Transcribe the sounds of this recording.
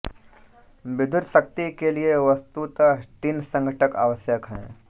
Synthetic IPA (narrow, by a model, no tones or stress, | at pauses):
bɪd̪ʱʊɾʃək̚t̪ikelieʋɐst̪ut̪ʈ̪insə̃ŋɡʱəʈəka̰ːʋəsjəkɦɛ̰̃ː